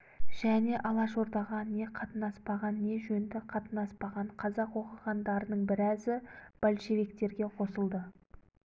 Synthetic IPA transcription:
ʒ̥æne̞ʔɑlˠɑʃo̞ɾd̪ɑʁɑne̞qʰɑt̪ənɑspɑʁɑnːe̞ʒɵnd̪ɪqʰɑt̪ənɑspɑʁɑɴqʰɑzɑqwo̞qɑʁɑnd̪ɑɾənəɴbɪɾæzɪb̥ɑlʲʃe̞vek̚t̪e̞ɾɡʲe̞qʰo̞səlˠd̪ə

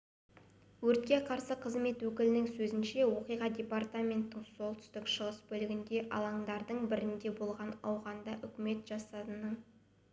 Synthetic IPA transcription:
wɵɾt̪̚kʲe̞qʰɑɾsəqʰəzme̞t̪wɵkʲɪlɪnɪŋsɵzɪnʃe̞wo̞qijʁɑd̪ʲe̞part̪amʲe̞nt̪ːɪɴso̞lˠt̪ʰʏ̥st̪ɪkʃəʁəsbɵlɪɡʲɪnd̪e̞ʔɑ̰lˠɑɴd̪ɑɾd̪əɴbɪɾɪnd̪e̞bo̞lˠʁɑnɑwʁɑnd̪ɑʔʏkʲɪme̞t̪ʒɑsɑt̪ənəɴ

